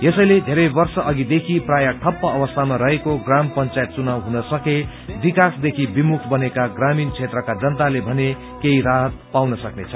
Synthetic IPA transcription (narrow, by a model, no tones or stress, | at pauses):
jesʌjled̪ʱeɾʌjbʌrsʌʔʌɡid̪ekʰiprajʌʈʰʌpːʌʌbʌst̪ʰamaɾʌɦekoɡrampʌnt͡sajet̪̚t͡sunawɦunʌsʌke | bikasd̪ekʰibimukʰbʌnekaɡramint͡sʰet̪rʌkad͡zʌnt̪alebʱʌne | keiɾaɦʌt̪̚pawnʌsʌknet͡sʰʌ̥